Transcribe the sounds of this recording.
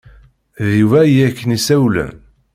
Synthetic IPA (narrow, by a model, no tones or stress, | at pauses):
ðivæjækːənisæwlæ̰n